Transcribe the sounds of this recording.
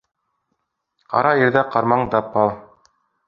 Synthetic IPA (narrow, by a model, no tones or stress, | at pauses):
qɑ̰ɾɑiɾðæqɑɾmɑɴd̪ɑpːɑlˠ